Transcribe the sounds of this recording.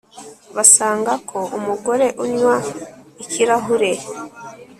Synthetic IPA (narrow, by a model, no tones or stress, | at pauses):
βasaːŋɡakʰo̞ʔumuɡo̞ɾe̞ʔuɲwaiciɾaɦuɾe̞